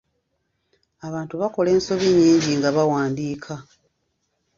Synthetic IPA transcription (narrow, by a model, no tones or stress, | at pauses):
aβaːntuβako̞le̞ːnso̞βiɲːiːɲɟiŋɡaβawaːndiːkʰa